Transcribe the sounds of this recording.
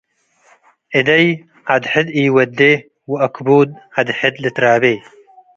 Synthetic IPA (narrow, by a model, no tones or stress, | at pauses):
ʔɪd̪ɐj | ad̪ħɪd̪iːwɐd̪ːe | wɐkbuːd̪̚had̪ħɪd̪lɪt̪ɾaːbe